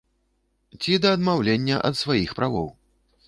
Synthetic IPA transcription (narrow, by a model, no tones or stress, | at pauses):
t͡sʲid̪ɐːd̪mawlʲenʲːɐʔɐ̰t̪svajixpɾavɔ̰w